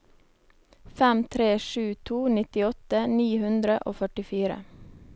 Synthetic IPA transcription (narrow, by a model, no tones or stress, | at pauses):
fɛmt̪ʰɾeːʃʉːt̪ʰuːnɪt̪ɪɔt̪əniːhʉnd̪ɾəʔo̰ːfœʈɪfiːɾə̰